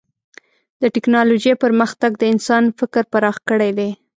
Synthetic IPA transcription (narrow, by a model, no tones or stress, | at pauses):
d̪̥əʈɪknɑlod͡ʒepəɾməxt̪aɡd̪əɪnsɑnfɪkɾpaɾɑxkəɽed̪e